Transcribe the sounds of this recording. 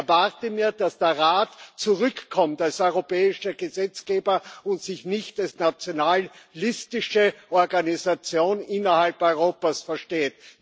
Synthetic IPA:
ɐvaʁtəmiːɐd̥asd̥eːɐʁaːtt͡suʁʏkkʰːɔmtalsɔʏʁopɛːɪʃəɡəzɛt͡sɡ̥eːbɐʊntsɪçnɪçtalsnat͡sjonaːlːɪstɪʃəʔɔɐɡanizat͡sjoːnɪnɐhalpɔʏʁ̞oːpasfɛɐʃteːt

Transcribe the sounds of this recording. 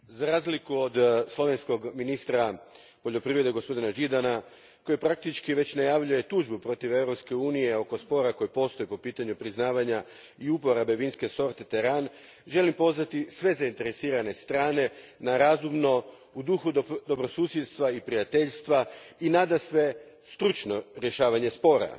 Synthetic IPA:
zaɾaːzlikuod̪slˠo̞ʋe̞nsko̞ɡminist̪ɾa | po̞ʎo̞pɾiʋɾe̞d̪eɡo̞spo̞d̪inaʒid̪ana | ko̞jupɾak̚t̪it͡ʃkiʋe̞t͡ɕnajaʋʎuje̞t̪uːʒbupɾo̞t̪iʋe̞vɾopske̞uːnije̞o̞ko̞spo̞ɾako̞jepo̞st̪o̞jepo̞piːt̪aɲupɾiznaːʋaɲa | iupo̞ɾabe̞ʋinske̞so̞ɾt̪et̪eɾan | ʒe̞limpo̞zʋat̪isʋe̞zaint̪e̞ɾe̞siːɾane̞st̪ɾaːne̞naɾazumno̞ | ud̪uxud̪o̞bɾo̞suːsje̞d̪st̪ʋaipɾijat̪e̞ʎst̪ʋainad̪asʋe̞ | st̪ɾut͡ʃno̞ɾje̞ʃaːʋaɲe̞spo̞ːɾa̰

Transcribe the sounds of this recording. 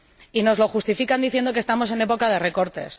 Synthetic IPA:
ino̞zlo̞xust̪ifikand̪iθjend̪okest̪amo̞se̞ne̞po̞kað̞e̞re̞ko̞ɾt̪e̞s

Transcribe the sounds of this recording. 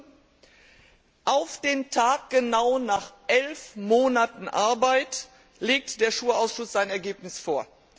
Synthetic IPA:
ʔaʊfd̥eːntʰaːk̚ɡ̥ənaʊnaːχʔɛlfmoːnatn̩ʔaɐbaɪt | leːk̚td̥eːɐʃuːɐaʊsʃʊsz̥aɪnɛɐɡeːpnɪsfoːɐ

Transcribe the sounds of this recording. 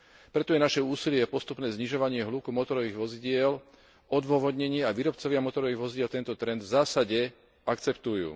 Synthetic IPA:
pɾɛt̪ɔjɛnaʃɛuːsilɪɛjɛpɔst̪upnɛːzɲiʒɔʋaɲɪɛɦluːkumɔt̪ɔɾɔʋiːɣʋɔziɟɪɛl | ɔd̪ʋʊɔʋɔd̪ɲɛɲɪɛaʋiːɾɔpt͡sɔʋɪamɔt̪ɔɾɔʋiːɣʋɔziɟɪɛlt̪ɛnt̪ɔt̪ɾɛnd̪vzaːsaɟɛ | akt͡sɛpt̪ujṵː

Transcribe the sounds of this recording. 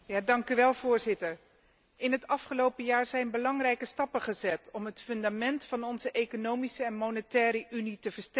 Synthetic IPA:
jaːdɑŋkyʋɛlˠv̥ʊːɹzɪtəɹ | ɪnɦətɑfχəlowpəjaːɹzɛjnbəlɑŋrɛjkəstɑpəχəzɛtɔmɦətfɵndamɛntfɑnɔnzəʔejkonowmisəɛnmonətɛːɾəʔynitəvəɹstɛ

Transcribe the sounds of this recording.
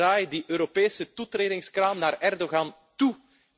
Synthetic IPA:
aːjdəʔøːɾopeːsətutreːdɪŋskraːmnaːrɛrdoɣɑn | tu

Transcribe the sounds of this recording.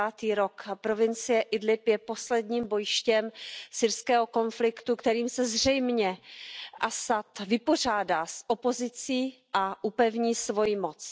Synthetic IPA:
aːt̪iːɾo̞kpɾo̞vɪnt͡sɪjɛʔɪdlɪpjɛpo̞slɛdɲiːmbo̞jʃcɛmsɪɾskɛːɦo̞ko̞nflɪkt̪ukt̪ɛɾiːmsɛzr̝ɛjmɲɛʔasat̪vɪpo̞r̝aːdaːsʔo̞po̞zɪt͡siː | ʔaʔupɛvɲiːsvo̞jimot͡s

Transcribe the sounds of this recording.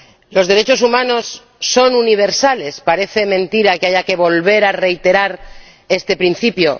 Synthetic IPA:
lo̞zðe̞ɾe̞t͡ʃo̞sumãno̞sː | o̞nuniβ̞e̞ɾsale̞spaɾe̞θe̞mẽ̞nt̪iɾakeaʝake̞βo̞lβe̞ɾare̞jt̪e̞ɾaɾ | e̞st̪e̞pɾin̟θipjo̞

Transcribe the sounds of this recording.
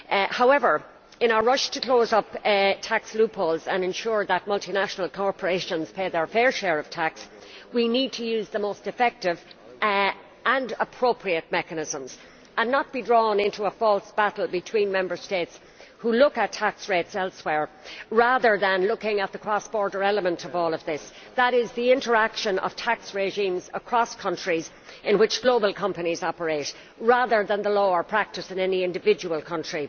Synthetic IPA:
haʊɛvə˞ | ɪ̃ɾ̃naʊə˞ɹʌʃtʰəkl̥oʊzʌptʰakslʉpʰoːlˠzə̃nɨ̃nʃʊɹðət̚mʌlˠtinaʃənəl̩ˠkʰɔɹpə˞eɪʃə̃nz̥pʰeɪðə˞fɛɹʃɛːɹʌv̥tʰakswinid̚tʰəjʉːzðəmoʊstɨfɛk̚tɪv | ʔə̃nəpʰɹ̥oʊpʰɹiət̚mɛkənɪzə̃mz | ə̃nːət̚b̥idɹɔːnɪ̃ntuəfɔlˠsb̥aɾl̩ˠbɨtʰw̥ĩnmɛ̃mbə˞steɪts | hulʊkətʰæksɹetsɛlˠswɛɹɹaðə˞ðə̃nlʊkɪ̃ŋət̪̚ðəkʰɹ̥ɔsb̥ɔːɹdə˞ɛləmə̃ntʰʌvɔːlˠʌvðɪs | ðəɾɪzðiɪ̃ntə˞ækʃə̃nʔʌ̰v̥tʰaksɹeʒĩːmzə̰kʰɹ̥ɔskʰʌ̃nt͡ʃɹ̥iz | ɪ̃nwɪt͡ʃɡ̥loʊbəlˠkʰʌ̃mpənizɑpə˞eɪɾ | ɹaðə˞ðə̃nðəloʊə˞pʰɹ̥æk̚tɨsɨ̃nɛniɪ̃ndɨvɪd͡ʒəwəlˠkʰʌ̃nt͡ʃɹ̥i

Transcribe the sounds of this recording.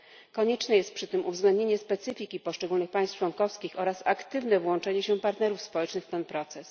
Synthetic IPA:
kɔɲɛt͡ʂnɛjɛst̪̚pʂɘt̪ɘmuvzɡlɛnd̪ɲeɲɛspɛt̪sɘfʲikʲipɔʂt͡ʂɛɡulnɘxpajst͡ʂwɔŋkɔfskʲixɔɾasakt̪ɘvnɛvwɔnt͡ʂɛɲɛɕɛpaɾt̪nɛɾufspɔwɛt͡ʂnɘxft̪ɛnpɾɔt̪sɛs

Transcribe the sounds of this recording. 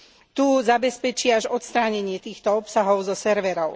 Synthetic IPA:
t̪uːzabɛspɛt͡ʃiaʒɔt̪st̪ɾaːɲɛɲɪɛt̪iːxt̪ɔɔpsaɦɔʊzɔsɛɾʋɛɾɔʊ

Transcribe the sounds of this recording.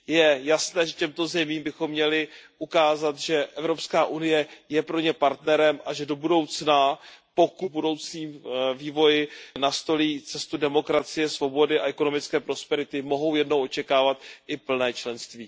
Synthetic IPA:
jɛjasnɛːʒɛcɛmt̪o̞zɛmiːmbɪxo̞mːɲɛlɪʔukaːzat̪ʒɛʔɛvɾo̞pskaːʔunɪjɛjɛpɾo̞ɲɛpaɾt̪nɛɾɛmʔaʒɛdo̞budo̞wt͡snapo̞kubudo̞wt͡sniːmviːvo̞jɪnast̪o̞liːt͡sɛst̪udɛmo̞kɾat͡sɪjɛsvo̞bo̞dɪʔaʔɛko̞no̞mɪt͡skɛːpɾo̞spɛɾɪt̪ɪmo̞ɦo̞wjɛdno̞wʔot͡ʃɛkaːvat̪ʔɪpl̩nɛːt͡ʃlɛnst̪viː

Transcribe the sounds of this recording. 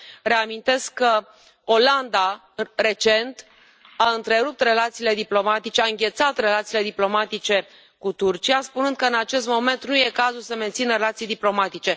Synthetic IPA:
ɾe̞amint̪e̞skːə | o̞land̪a | ɾe̞t͡ʃe̞nt̪ | aɨnt̪ɾe̞ɾup̚t̪re̞lat̪siːle̞d̪iplo̞mat̪it͡ʃeaɨŋɡʲe̞t̪sat̪re̞lat̪siːle̞d̪iplo̞mat̪it͡ʃe̞ | kut̪urt͡ʃijaspunɨnd̪kəɨnat͡ʃe̞st̪mo̞me̞nt̪nuje̞kazulsəme̞nt̪sinəɾelat̪sijd̪iplo̞mat̪it͡ʃe̞

